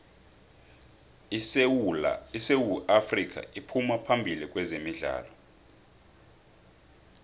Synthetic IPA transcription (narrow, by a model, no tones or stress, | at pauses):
isewuʔafrik̬ʰʼa̰ipʰumapʰambʱilik̬ʼwɛzemiɮa̰ːlɔ